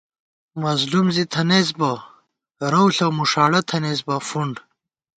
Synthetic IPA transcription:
mɐzlumzit̪ʰɐnezbɐ | ɾɐwɬɐmuʂaːɽɐt̪ʰɐnezbɐfuɳɖ

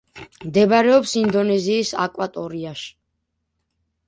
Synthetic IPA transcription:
md̪ɛbaɾɛɔpsind̪ɔnɛziːsa̰kʼwat̪ʼɔɾiaʃi̥

